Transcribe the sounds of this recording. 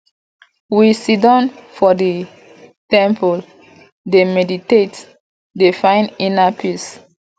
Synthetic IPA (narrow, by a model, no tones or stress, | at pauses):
wisidɔ̃nfɔdi | tɛ̃mpʰɔl | demɛditet | defãɪ̃ninapʰis